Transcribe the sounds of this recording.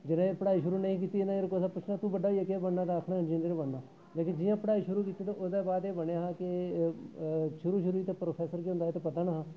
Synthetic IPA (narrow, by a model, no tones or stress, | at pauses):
d͡ʒɪnãːepəɽaːiːʃʊɾuːnəĩːk̬iːt̪iːenãeːɾkosaːpʊt͡ʃʰnaːt̪ũːbəɖaːiːekeːbəɳnːaːɾaːkʰnãɦd͡ʒẽneɾebəɳnaː | leːkɪnd͡ʒɪjãːpəɽaːiːʃʊɾuːkiːt̪ːit̪eʊsd̪ɛːbaːd̪eːbəɽaːɦãːkɪ | ʃʊɾuːʃ̬ʊɾuːiːt̪eːpɾoːpʰɛːsəɾkeɦʊnd̪aɦeːt̪eːpət̪aːnaːɦãː